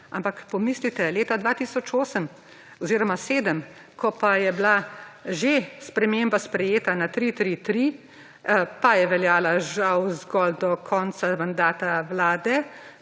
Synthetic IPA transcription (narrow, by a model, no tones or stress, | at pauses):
a̰mpakpɔmiːslit̪ɛleːt̪ad̪ʋat̪iːsɔt͡ʃoːsəm | ɔziːɾɔmaseːd̪əm | kʰɔpajɛblaʒespɾɛmembaspɾɛjeːt̪anat̪ɾit̪ɾit̪ɾi | pajɛʋɛljaːlaʒawzɡɔld̪ɔkʰɔːnt͡ssamand̪aːt̪aʋlaːd̪ɛ